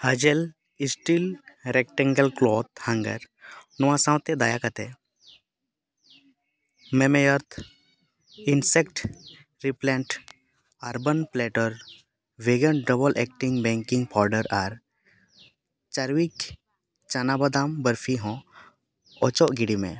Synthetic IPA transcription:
həd͡ʒel | isʈilɾɛk̚ʈɛ̃ŋɡəlklɔt̪̚hãŋɡə̰ɾ | nɔwãsãwt̪ɛd̪ajakat̪ɛ | mɛmɛjɔɾt̪ʰ | insɛkʈ | ɾiplɛ̃ɳʈ | aɾbənpleʈəɾ | ʋeɡənɖəbəlʔɛk̚ʈiŋɡbɛ̃ŋkiŋɡpʰɔɾɖəɾaɾ | t͡ʃaɾwik | t͡ʃanabəd̪ambəɾfʰiɦɔ̃ | ɔt͡ʃɔʔɡiɽimḛ̃

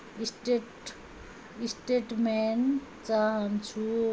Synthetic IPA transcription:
isʈeʈ | isʈeʈment͡saɦant͡sʰu

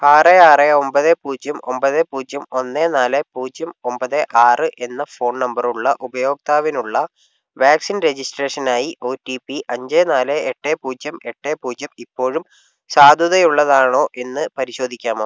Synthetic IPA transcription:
aːreaːreo̞mbɐðepuːd͡ʑɐmo̞̰mbɐðepuːd͡ʑjɐmo̞nːeːnaːlepuːd͡ʑjɐmo̞mbɐðeʔaːrɨʔe̞nːɐfo̞ːnnɐmbɐruɭːɐʔubɐjo̞ːk̚t̪aːʋinuɭːɐ | ʋaːksinre̞d͡ʑisʈreːʂɐnaːjiʔo̞ːtːipiʔɐɲd͡ʑeːnaːleeʈːeːpuːd͡ʑjɐme̞ʈːeːpuːd͡ʑjɐmipːo̞ːɻum | saːd̪ʱuðɐjuɭːɐðaːɳo̞ːʔe̞nːɨpɐɾiɕo̞ːd̪ʱikʲːaːmo

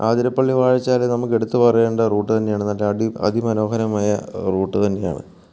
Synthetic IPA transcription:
aːd̪iɾɐpːɐɭːiʋaːɻit͡ɕːaːlnɐmukːe̞ɽut̪ːɨpɐrɐje̞ːɳɖɐruːʈːɨt̪ɐnːe̞jaːɳenːɐʈːeɐiɐ̰d̪ʱimɐno̞ːhɐɾɐmaːjɐruːʈːɨt̪ɐnːe̞ja̰ːɳɨ̰

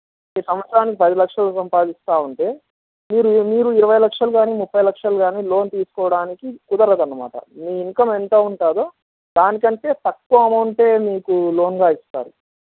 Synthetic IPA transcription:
miːsɐmɐt͡ʃːɾaːnikipɐd̪ilɐkʂɐlosɐmpaːd̪ist̪aːuɳʈe̞ː | miːɾumiːɾuiɾɐʋɐjlɐkʂɐluɡaːniːmupːɐjlɐkʂɐluɡaːniːlo̞ːnt̪iːsu̥kɔːɐɽaːnikikud̪ɐɾɐd̪ɐnːɐma̰ːʈɐ̰miːiŋkɐment̪oːuɳʈaːd̪oː | d̪aːnikɐɳʈe̞ːt̪ɐkːuʋɐɐmɐwuɳʈe̞ːmiːkulo̞ːnɡaːist̪a̰ːɾu

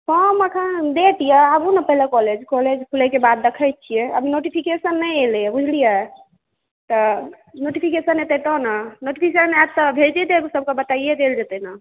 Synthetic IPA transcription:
fɔməkʰənd̪eʈ̪ijaabunapəɦilekɔled͡ʒkɔled͡ʒkʰulɛkebad̪ːəkʰəj̚t͡ʃʰijɛə̰binoʈipʰikesənːəjelɛɛbud͡ʒʱlija | t̪ɔ | noʈipʰikesənet̪eʈ̪ɔnanoʈipʰisənɛt̪ɔbʱelt͡ʃit̪ebisəb̚kabət̪aied̪eld͡ʒet̪ɛna

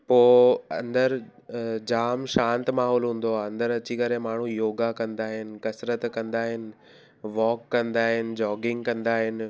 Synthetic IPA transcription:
poːɐ̰̃nd̪əɾ | d͡ʑaːmʃãːnt̪maːɦɔːlɦũːn̆d̪oaɐ̃nd̪əɾɐt͡ɕikɐɾemaːɳ̤ũjoːɡakɐ̃nd̪aːɦɪnɪ̆kɐsɾət̪kɐ̃nd̪aːɦɪnɪ̆ | ʋɔːkːɐ̃nd̪aːɦɪnɪ̆d͡ʑɔːɡɪ̃ŋɡkɐ̃nd̪aːɦɪnɪ̆

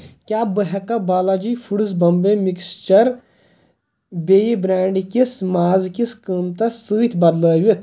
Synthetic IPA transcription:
kʲjaːbəɦɐkɐbaːlad͡ʒiːfuɽɨzbɐmbemikst͡ʃɐɾ | beːjibɾaːɳɖikismaːzkiskəːmt̪ɐsɨːt̪ʰʲbɐd̪ləːʋit̪ʰ

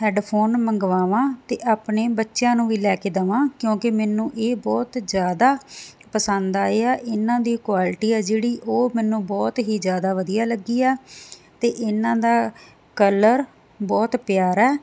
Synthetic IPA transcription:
ɦɛːɖpʰoːnməŋɡʋaːʋãːt̪eːʔaːpneːbətːʃjãːnũːʋiːlɛːkeːd̪əʋãːkjõːkemɛːnːũːʔeːbɔːt̪zjaːd̪aː | pəsənd̪aːeːɛːʔɪnãːd̪iːkwaːlʈiːɛːd͡ʒeːɽiːʔoːmɛːnːũːbɔːt̪ɦiːd͡ʒjaːd̪aːʋəd̪ijaːləɡiːɛː | t̪eːʔɪnãːd̪aː | kələɾ | bɔːt̪pɪjaːɾɛː

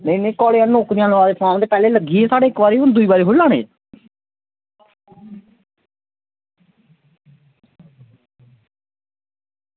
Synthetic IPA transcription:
nenẽːkɔːleːãnoːkɾɪjãːlːaːd̪eːt̪ʰãːmd̪eːpɛːleːləɡiːeːsaːɽeːkbaːɾiːʊnd̪uiːbaːɾiːɦʊlːãːnḛː

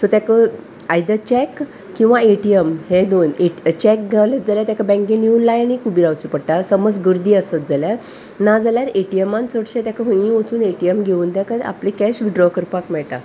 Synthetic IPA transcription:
sɔt̪jakə | ajd̪ət͡ɕɛkː | ĩw̃ʋaeʈiəmhed̪onet͡ɕɛk̚ɡalət̪̚d͡zaljat̪akabɛ̃ŋkẽniunlajnikubiɾawt͡supəɽʈasəməd͡zɡəɾd̪iːəsət̪̚d͡zalja | nad͡zaljaɾeʈijemãnt͡səɽɕẽt̪jakəɦə̃jĩʋət͡suːneʈiemɡʱeuːnt̪akaa̰plikɛɕʋiɖɾɔkəɾpakmɛɭʈa̰

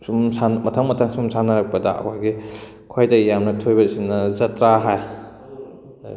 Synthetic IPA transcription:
sumsanmɐtʰɐŋmɐtʰaŋsumsʰanɐɾɐk̚pɐdɐɐ̰kʰajɡi | kʰojdɐjamnɐtʰojbɐsinɐzɐtɾaɦaj

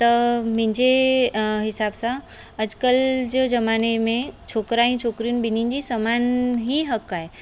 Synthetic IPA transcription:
t̪ɐmɪ̃ɲd͡ʒeɦɪsaːbsã | ɐd͡ʒkəld͡ʒod͡ʒɐmaːnemẽt͡ʃʰoːkɾaːĩt͡ʃʰoːkɾijunbɪnind͡ʒisəmaːnɦiɦəkaːe

